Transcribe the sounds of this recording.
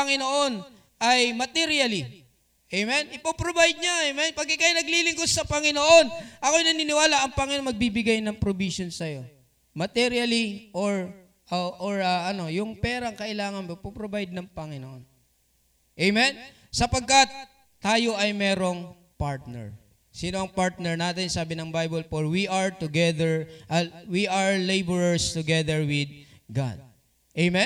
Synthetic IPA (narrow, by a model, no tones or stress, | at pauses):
pɐŋɪnoʔo̞n | ɐjmɐt̪ɛɾijɐli | ʔejmɛnʔɪpɐpɾobajd̪̚ɲɐʔejmɛnpɐɡ̚ɪkɐjanɐɡliːlɪŋkosɐpɐŋɪnoʔo̞nʔɐkojnɐninɪwaːlɐʔɐŋpɐŋɪnoŋmɐɡ̚bibɪɡajnɐŋpɾobisonsɐjo̞ | mɐt̪ɛɾjɐliʔoɹ | ɐʔoɹɐʔɐno̞jʊŋpɛːɾɐɐŋkɐʔɪlaːŋɐnmopupɾobajd̪̚nɐŋpɐŋɪnoon | ʔejmɛn | sɐpɐɡ̚kɐt̪̚ː | aːjo̞ʔɐjmɛːɾo̞ŋ | paɹt̪nɛ̰ɹ | sɪnoɐŋpaɹt̪̚nɛɹnaːt̪ɪnsaːbɪnɐŋbajbolfoɹwiɐɹt̪ʊɡɛðɛɹʔɐwiʔɐɹlejbəɹɐɹst̪ʊɡɛðɛɹwɪd̪̚ɡa̰d̪̚ | ʔejmɛ